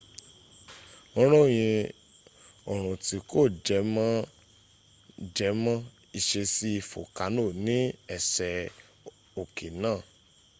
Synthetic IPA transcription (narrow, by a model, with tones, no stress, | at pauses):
ɔ̃˦ɾ̃ɔ̃˦˨j̃ĩ˧ | ɔ˨ɾ̃ũ˨ti˨˧ko˦˨d͡ʒɛ˨˧˦mã˦ | d͡ʒɛ˧˦mã˦ | i˧ʃe˧si˦i˧˨fo̰˨ka˨˦no˦˨nĩ˨˦ɛ˦˨sɛ˨ | o˨ke˨nãː˦˨